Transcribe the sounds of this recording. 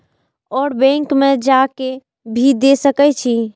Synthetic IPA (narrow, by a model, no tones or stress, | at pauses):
ɔːɾbɛ̃ŋkmed͡ʒake | bʱid̪esəkɛt͡ʃʰi